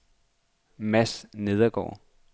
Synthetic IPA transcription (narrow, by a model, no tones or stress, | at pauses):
mæsne̝ð̞ˠɐɡ̥ɒ̰ː